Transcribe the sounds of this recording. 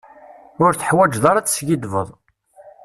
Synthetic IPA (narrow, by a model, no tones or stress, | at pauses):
ʊɾθə̥ħwæd͡ʒðɑɾˤæt͡sːsɡid̪və̰ðˤ